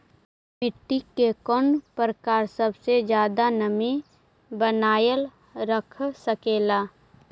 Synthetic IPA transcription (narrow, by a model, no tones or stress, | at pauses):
mɪʈːikekɔnpəɾəkaːɾsəbsed͡ʒjaːd̪anəmi | bənaːjəl | ɾəkʰsəkeːlaː